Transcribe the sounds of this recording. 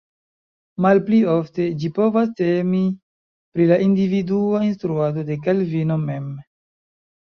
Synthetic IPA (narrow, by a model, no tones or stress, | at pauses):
malplio̞fte̞d͡ʒipo̞vas̬temi | pɾilaʔindividuainstɾuado̞de̞k̬alvino̞me̞m